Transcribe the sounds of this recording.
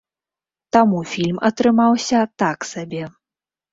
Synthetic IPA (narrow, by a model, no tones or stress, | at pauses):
t̪amufʲilʲmɐt̪ɾɨmawsʲɐt̪aksabʲɛ